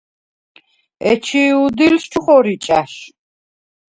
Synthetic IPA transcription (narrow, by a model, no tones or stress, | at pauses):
ɛt͡ʃʰiud̪ilst͡ʃʰuχɔɾit͡ʃʼaʃ